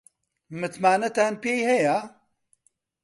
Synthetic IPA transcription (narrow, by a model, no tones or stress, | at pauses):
mɨt̪maːnɐt̪aːnpeːjhɛjaː